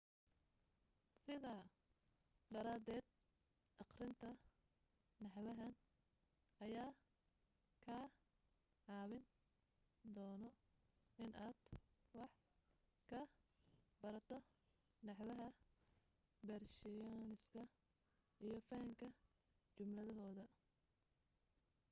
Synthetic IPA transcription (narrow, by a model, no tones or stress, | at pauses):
sɪðaː | d̪ɐɾaːd̪ɛːd̪̚ | ʔɑqrɪnt̪ʰɐ | nɑħwɐɦɐn | ʔɐjaː | kʰaː | ʕɑːwɪn | d̪ɔːnɔ | ʔɪnʔaːd̪wɑħ | kʰɐ | bɐɾɐt̪ʰɔ | nɑħwɐɦɐ | bɛrʃɪjnɪskʰɐ | ʔijɞfɐŋkʰɐ | t͡ʃʊmlɐðɐɦɔːðɐ